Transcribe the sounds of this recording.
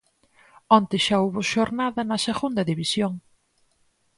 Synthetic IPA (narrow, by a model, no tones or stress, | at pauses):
ont̪ɪʃauβʊʃoɾnaðɐnɐseɣund̪ɐðiβisjoŋ